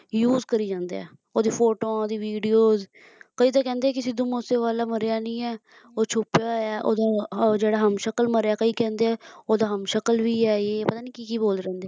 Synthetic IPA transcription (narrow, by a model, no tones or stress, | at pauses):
juːzkəɾiːd͡ʒãːnd̪ḛːɛ̰ː | oːd̪iːpʰoːʈõːoːd̪iːʋiːɖijoːz | kəiːt̪̬aːkɛ̃ːnd̪eɛːkɪsid̪ʊmoːseːʋaːlaːməɾejaːnĩːɛː | oːt͡ʃʰʊpjaːɛːʔo̰ːd̪aːd͡ʒeːɽaːɦəmʃəkəlməɾeaːkəiːkɛ̃ːnd̪eːɛːoːd̪aːɦəmʃəkəlʋiːɛːeːpət̪aːniːkiːkiːboːlɾɛ̃ːnd̪eː